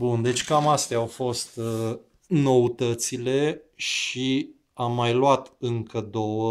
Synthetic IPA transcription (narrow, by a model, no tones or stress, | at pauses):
bund̪e̞t͡ʃʲkamast̪eaːawfo̞st̪ | no̞ut̪ət̪sile̞ʃi | amːajlwat̪ɨŋkəd̪o̞wə